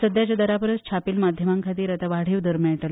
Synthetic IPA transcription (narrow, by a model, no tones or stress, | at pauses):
səd̪jat͡ɕjad̪əɾapəɾət͡st͡ɕʰapiːlmad̪ʱjəmaŋkʰat̪iːɾat̪aʋaɽ̤iːʋd̪əɾmaɳʈəl